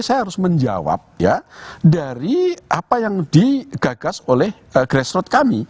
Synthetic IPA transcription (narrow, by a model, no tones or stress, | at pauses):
sajaɦaɾʊsməɲd͡ʒa̰wa̰p̚ja̰daɾiʔapajaŋd̥iɡ̥aɡ̥asolɛh | ɡ̥ɾɛsɾɔt̪̚kami